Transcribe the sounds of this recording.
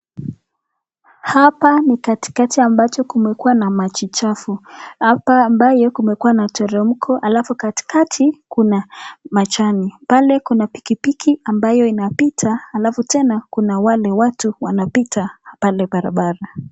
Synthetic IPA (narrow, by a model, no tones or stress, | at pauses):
hapanikati̥katiambat͡ʃɔkumɛkuwanamat͡ʃit͡ʃafuapambajɔkumɛkuwanatɔɾɛm̩kʰɔʔalafukati̥katʰikunamat͡ʃanipalɛkunapi̥kipikʰiambajɔinapitʰaːlafutɛnakunawalɛwatuwanapitapalɛɓaɾa̰ɓaɾa